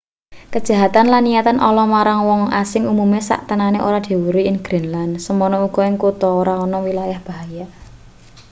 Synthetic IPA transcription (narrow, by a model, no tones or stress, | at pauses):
kəd̥ʒ̥a̤ɦat̪anlanːijat̪anʔɔ̰lɔmaɾaŋwɔŋa̰sɪŋumumesa̰ʔt̪ənaneʔo̰ɾad̪̥i̤wuɾuɪnɡ̥ɾinlansəmɔnɔuɡ̥ɔ̤ɪŋkut̪ɔoɾaɔnɔwilajahb̥a̤ɦaja